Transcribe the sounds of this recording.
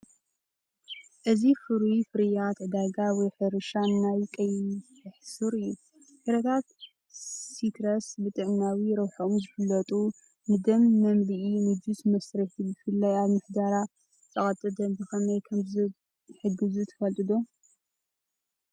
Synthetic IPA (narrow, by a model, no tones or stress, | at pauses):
ʔɨzifɨɾifɨɾɨjat̪ʕɨd̪aɡawɔjħɨɾɨʃannajkʼɐjʰ | ɨħsuɾɨjːu | fɨɾɐt̪ʰat̪ | sit̪ʰɾɐsbɨt̪ʼɨʕnawiɾɐwħoomzɨfɨlːɐt̪ʼu | nɨd̪ɐmːɐmliʔinɨd͡ʒusmɐsɾɐħibɨfɨlːajaβmɨħd̪aɾa | t͡sʼɐχʼɐt̪ʼɨd̪ɐnzɨxɐnɐjkʰɐmzɨ | ħɨɡɨzut̪ʰɐ̥fɐlt̪ʼɨd̪o